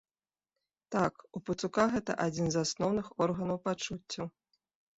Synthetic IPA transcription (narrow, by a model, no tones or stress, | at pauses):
t̪akupɨt̪sukaɣɛt̪ɐ̰ʔad͡zʲinzasnɔwnɨxɔrɣɐnɐwpat͡ʂut͡sʲːɐ